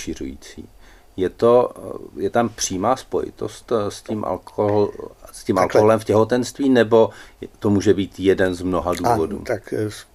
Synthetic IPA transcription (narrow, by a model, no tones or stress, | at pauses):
ʃirṵjḭːt͡sḭː | jɛt̪o̞jɛt̪ampr̥iːmaːspo̞̰jɪ̰t̪o̞̰st̪scimʔa̰loɦlscimʔalkoɦolɛmfcɛɦot̪ɛnst̪viːnɛbo̞t̪o̞muːʒɛbiːt̪jɛdɛnzmno̞ɦaduːvodṵːt̪aks